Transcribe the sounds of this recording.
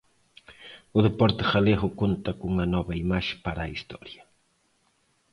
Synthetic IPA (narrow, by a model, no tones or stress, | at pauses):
ʊd̪epoɾt̪e̥χaleχʊkʊnt̪akʊŋanobajmaʃpaɾaist̪o̰ɾjḁ